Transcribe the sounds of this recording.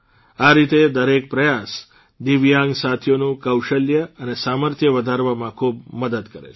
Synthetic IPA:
aɾit̪ed̪əɾek̚pɾəjas | d̪iʋjãŋɡsat̪ʰjonũkəwʃəljəənesaməɾt̪ʰjəʋəd̪ʱaɾʋamãkʰub̚məd̪əd̪kəɾḛt͡ʃʰ

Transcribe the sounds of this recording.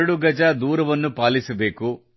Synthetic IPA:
ɽuɡɐd͡ʒɐd̪uːɾɐʋɐnːupaːlisɐbe̞ːku

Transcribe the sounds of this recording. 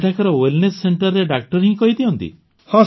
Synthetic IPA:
ʈakɔɾɔwilnesːeɳʈɔɾːeɖak̚ʈɔɾɦĩkɔɦid̪iɔnt̪ḭ | hɔ̃

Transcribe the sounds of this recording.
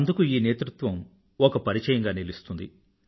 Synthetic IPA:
nd̪ukuiːneːt̪ɾut̪ʋɐm | okɐpɐɾit͡ʃɐjɐŋɡaːnilist̪und̪i

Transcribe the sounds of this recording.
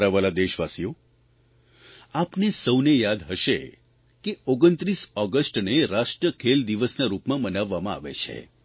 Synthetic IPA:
ɾaʋalad̪eʃʋasijo | apnesəwnejad̪ɦəʃe | keoɡənt̪ɾisɔɡəsʈneɾaʃʈɾəkʰeld̪iʋəsnaɾupmãbənaʋːamãa̰ʋḛt͡ʃʰḛ

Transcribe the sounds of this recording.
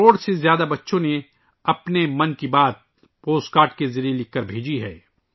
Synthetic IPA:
oːɽsezjaːd̪abɐtːʃõne | ɐpnemɐnkibaːt̪̚ | poːskaːɾʈkezɐɾijelɪkːəɾbʱeːd͡ʒiɦɛː

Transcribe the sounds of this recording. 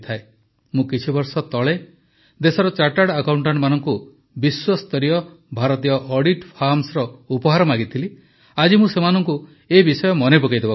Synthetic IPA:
t̪ʰae | mũkit͡ʃʰibɔɾsɔt̪ɔɭe | d̪esɔɾɔt͡ʃaʈaɽakawɳʈaɳʈmanɔŋku | biswɔst̪ɔɾiɔ | bʱaɾɔt̪ijɔʔɔɽiʈpʰaɾmsɾɔupɔɦaɾɔmaɡit̪ʰili | ad͡ʒimũsemanɔŋku | ebisɔjɔmɔnepokajd̪ebɔ

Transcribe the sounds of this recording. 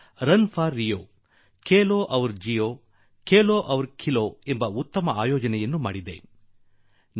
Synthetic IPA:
ɾɐnpʰaːɾːijoː | keːloːʔɐʋɐɾd͡ʒijoː | keːloːʔɐʋɐɾkʰiloːembɐut̪ːɐmɐaːjoːd͡ʒɐnɛjɐnːuma̰ːɽid̪e̞̰ | n

